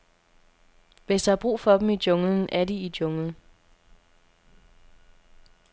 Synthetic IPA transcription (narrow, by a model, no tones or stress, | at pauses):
ʋeshɑb̥ʁṵːfɒ̽d̥m̩idɔŋln̩æɐdiid̥ɔ̽ŋl